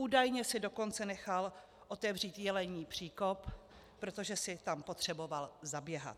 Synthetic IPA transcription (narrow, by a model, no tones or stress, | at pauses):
uːdajɲɛsɪdo̞ko̞nt͡sɛnɛxal | ʔo̞t̪ɛvr̝iːt̪jɛlɛɲiːpr̥iːko̞pː | ɾo̞t̪o̞ʒɛsɪt̪ampo̞t̪r̝̥ɛbo̞valzabjɛɦa̰t̪